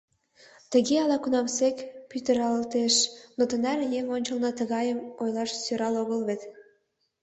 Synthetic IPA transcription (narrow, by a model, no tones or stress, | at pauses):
t̪əɣeɑlɑkunɑmsekpyt̪əɾɑləlt̪eʃnot̪ə̆nærjeŋonʲt͡ɕə̆lnɑt̪əɣɑjəmojlɑʃsøɾɑloɣəlβet̪